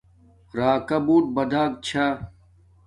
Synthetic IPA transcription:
ɾaːkɐbuːʈ̚bɐd̪ʱaːk̚t͡ɕʰa

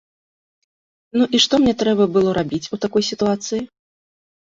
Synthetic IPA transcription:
nuʔiʂt̪ɔmnʲɛt̪ɾɛbɐbɨlˠɔɾʔabʲit͡sʲut̪akɔjsʲit̪uat̪sɨji

